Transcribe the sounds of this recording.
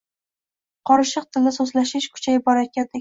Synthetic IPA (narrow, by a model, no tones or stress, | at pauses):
qʰɒɾɪʃɨq̚t̪ʰɪld̪ɪsozlaʃɪʃkʰʊ̥t͡ʃʰajɪbɒɾaj̪̚ʲkʲand̪ɪ